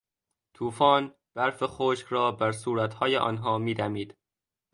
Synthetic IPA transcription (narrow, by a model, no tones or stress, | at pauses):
t̪ʰuːfɒːn | b̥æɾfexoːʃkɾɒːbæɾsuːɾæt̪hɒːjeʔɒ̰ːnɦɒːmiːd̪æmiːd̪̥